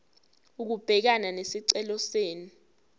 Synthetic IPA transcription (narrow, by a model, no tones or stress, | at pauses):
uk̬ub̥ʱɛk̬ananesiǀɛlɔseːni